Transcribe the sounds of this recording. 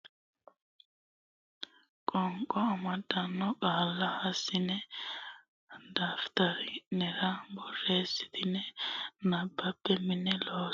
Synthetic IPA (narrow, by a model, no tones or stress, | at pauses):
kʼɔŋkʼːɔɐmɐd̪ːɐnːɔkʼaːlːɐhɐsːɪnɛ | d̪aːft̪ɐɾɪnɛɾɐbɔrːeːsːɪ̥t̪ɪnɛnɐbːɐpːɛmɪnːɛloː